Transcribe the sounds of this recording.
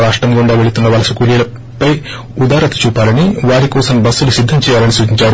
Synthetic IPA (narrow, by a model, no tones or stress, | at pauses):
ɾaːʂʈɐmɡoɳɖaːʋe̞ɭut̪unːɐʋɐlɐsukuːlijɐlɐ | pːɐj | ud̪aːɾɐt̪i̥t͡ʃuːpaːlɐniʋaːɾikoːsɐmbɐsːulusid̪ʱːɐmt͡ʃɛːjaːlɐnisuːd͡ʒiɲt͡ʃaːɾu